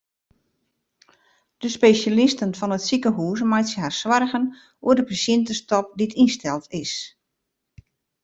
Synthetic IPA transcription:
d̥əspeːʃalɪstənfɔnətsikəɦuːs̬majtsəharswarɣən | uədəpasjɪntəstɔp̚ditʰinstɛlˠtʰɪs

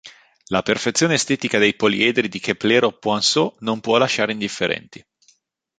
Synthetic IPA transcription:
laperfet̪sːjoːneːst̪ɛːt̪ikad̪ejpolḭɛd̪ɾid̪ik̟epleɾopːwansonompwɔlːaʃaːɾeind̪ifːeɾɛ̰nt̪i

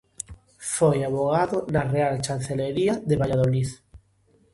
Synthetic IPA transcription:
fojaβoɣaðonarealt͡ʃanθeleɾiaðeβaʎaðoliθ

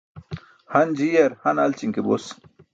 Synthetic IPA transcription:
hɐnd͡ʑijɐɾhɐnɐlt͡ɕiŋkebos

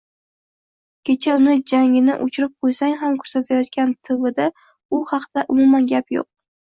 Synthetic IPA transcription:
kʲʰet͡ʃʰaʊnɪd͡ʒaŋɪnɪʔʊt͡ʃʰɪɾɪp̚qʰojsaŋɦamkʰɵ̥ɾsat̪ʰajɒt̪kʲant̪ʰɪvɪd̪a | ʊhɑqd̪̥aʔʊmʊmanɡʲapjo̰q̚

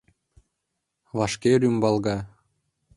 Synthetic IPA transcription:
βɑʂkʲeɾʲymbɑlˠɡɑ

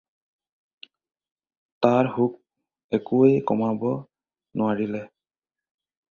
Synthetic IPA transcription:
taɹɦuk̚ | ɛkuejkɔmabɔ | nʊaɹilɛ

